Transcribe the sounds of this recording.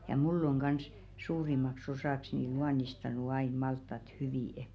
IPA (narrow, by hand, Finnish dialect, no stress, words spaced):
jɑ mulː oŋ ɡ̊ɑns suːrimɑks osɑˑks ni luɑnistɑnu ɑin mɑltːɑt hyʋiˑ